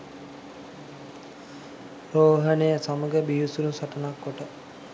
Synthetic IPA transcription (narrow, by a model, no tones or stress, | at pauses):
ɾoːɦənejəsaməɡəbijusuɾusaʈənakːoʈə